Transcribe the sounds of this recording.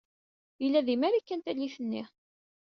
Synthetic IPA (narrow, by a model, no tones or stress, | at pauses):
jəlːæðimæɾikːænt̪æliθənːḭ